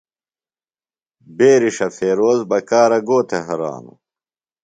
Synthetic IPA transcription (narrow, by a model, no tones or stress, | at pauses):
beːɾiʂɐfʰeːɾoːzbɐkaːɾɐɡoːt̪ʰeɦɐɾa̰ːnṵ